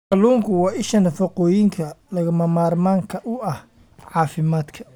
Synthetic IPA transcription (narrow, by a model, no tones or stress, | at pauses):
kɐluːŋkʰʊwɑːɪʃɐnɐfɐqɔːjɪŋkʰɐlɐɣɐmɐmaːrmaːŋkʰɐʔʊʔɐh | ʕɑːfɪmaːd̪kʰɐ̥